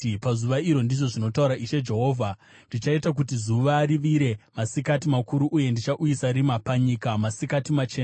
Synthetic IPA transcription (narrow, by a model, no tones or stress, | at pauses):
pazuʋaiɾo̞ndiʐo̞ʐino̞tauɾaʔiʃe̞d͡ʒe̞ɦo̞ːvʱa | ndit͡ʃaitak̬utizuʋaːɾiʋiɾe̞masikatimakuɾuʔːje̞ndit͡ʃaʔujisaɾimapaɲikamasikatimat͡ʃe̞ːna